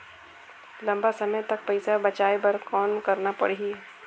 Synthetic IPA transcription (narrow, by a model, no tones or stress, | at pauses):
lɐ̃mbasɐməjt̪ɐk̚pɐɪsabɐt͡ʃaːebɐɾkɔːnkɐɾnapɐ̰ɽii